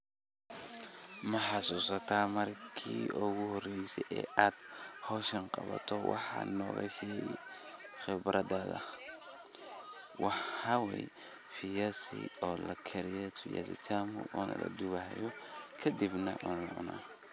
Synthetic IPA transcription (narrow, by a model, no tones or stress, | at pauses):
mɐħɑsuːsɐt̪ʰaːmɐrkʰiːʔʊɣʊhɔrɛjsɛʔɛːʔaːd̪̥hɔːʃɐnqɑβɐ̰t̪ʰɔwɑ̰ħɑ̰nɔːɣɐkɛɛ | χɪbɾʔɐdɐðɐ̰ | wɑħɑwɛj | fɪjɐsɪ̰ɔːlɐkʰɛɾɪjɛfɪja̰sɪ̰t̪ʰaːmʊʔɔːnɐlɐd̪ʊwaːjɔ | kʰɐd̪ibnɐʔɔnɐʔʊna̰ː